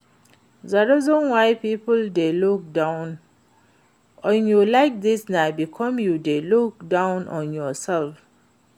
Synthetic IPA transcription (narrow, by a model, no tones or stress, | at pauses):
ðaɾɔzɔ̃nwaɪpipəldeluk̚dãʊ̃n | ʔɔ̃njulaɪk̚d̪isnabikʰɔ̃mjudeluk̚dãʊ̃nʔɔ̃njɔsɛlf